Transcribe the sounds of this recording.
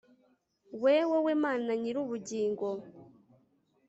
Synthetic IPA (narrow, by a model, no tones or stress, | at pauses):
weːwewemaːnaɲiɾuβuɟiːŋɡo̞